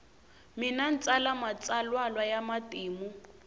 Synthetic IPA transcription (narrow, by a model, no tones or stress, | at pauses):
mɪnan̩t͡sʼalamat͡sʼalwalwajamatiːmu